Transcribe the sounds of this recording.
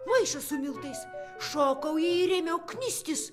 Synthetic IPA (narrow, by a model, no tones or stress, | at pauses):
mɐɪʃɐsʊmʲɪlˠt̪ɐɪsʃoːkɐʊjiɪɾʲɛmʲɛʊknʲɪsʲt̪ʲɪs